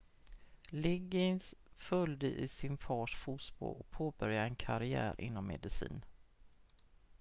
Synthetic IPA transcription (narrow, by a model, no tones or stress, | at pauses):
lɪɡɪnsfœljd̪əʔɪsɪnfɑːʂfusbo̰ɔk̚pʰoːbœɾjaɛnkʰaɾɪæ̰ːɾʔɪ̰n̪ːɔmːɛ̰d̪ɪsḭːn